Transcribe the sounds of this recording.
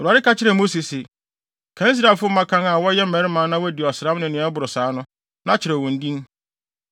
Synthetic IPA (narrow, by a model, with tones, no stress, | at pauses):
ɔ˨ɾu˨a˨ɾɪ˦ka˦t͡ɕʰɪ˦ɾɛ˨mo˦si˨sɪ˨ | kʰã˦i˦s̬ɾa˨fʊ˦mã˦kʰã˦ŋa˨wɔ˦jɛ˦m̩˦mɛ̃˨˦ɾɪ˦mãː˨˦nã˦wɔ˦dɪ˨ɔ˨sã˦mnʊ̃˨nɪ̃˨˦a˦bʊ˨ɾʊ˨saː˨˦nʊ̃˦ | nã˦t͡ɕʰɪ˨ɾɛ˨wɔ̃˨n̩˦dĩ˦n